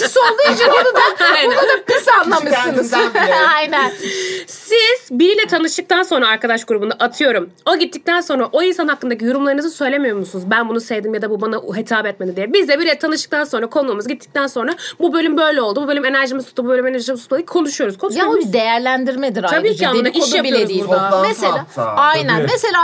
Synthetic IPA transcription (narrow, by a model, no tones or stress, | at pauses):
sond̪ˠuid͡ʒand̪aajnuænud̪apʰisanlˠamɯɯnɯzajnænssiz̥biɾilʲɛt̪ʰanɯʃt̪ɯk̚t̪anso̞nɾaːɾkad̪aʃɡuɾubund̪aʔat̪ʰɯjo̞ɾum | o̞ɟit̪ːic̚t̪ænso̞nɾaʔo̞insanhakːɯnd̪acʰijoɾumlˠaɾɯnɯzɯsø̞jlʲe̞mijo̞ɾmusunuzbænbunusevd̪imjad̪abubanaɦet̪ʰaːbɛt̪menid̪ijɛbizd̪ɛbiɾɛt̪ʰanɯʃt̪ɯ̥kt̪ʰanso̞nɾakʰo̞nuːmuzɟit̪ʰːi̥c̚t̪ʰænso̞nɾabubø̞lʲymbø̞jlʲɛo̞lˠububølʲyme̞næɾʒimizt̪ʰut̪ːububø̞lʲymenæɾʒimizulad̪ikʰo̞nuʃujo̞ɾuz̥kʰo̞nʃad̪e̞jæɾlʲænd̪iɾmed̪iɾat̪abiːcʰiananaʔijaioeiumeselaːajnænmeselʲaː